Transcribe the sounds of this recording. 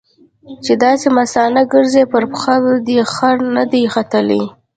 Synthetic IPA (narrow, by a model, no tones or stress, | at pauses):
t͡ʃed̪ɑsemasɑnaɡəɾzepəɾpxabd̪exaɾnad̪ejxat̪əlḛj